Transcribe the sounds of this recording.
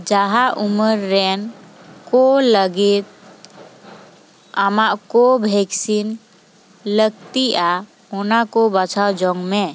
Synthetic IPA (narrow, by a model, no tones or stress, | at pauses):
d͡ʒaɦaʔuməɾːenkoləɡit̪̚ | əmaʔkobʱeksin | ləɡ̚t̪ia | onakobət͡ʃʰawd͡ʒɔŋɡme